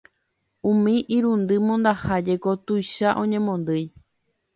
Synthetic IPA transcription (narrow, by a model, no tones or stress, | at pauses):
ũmĩʔiɾũnd̪ɨmõnd̪ahad͡ʒeko̞t̪ujʃaʔõ̞ɲẽ̞mõ̞nd̪ɨj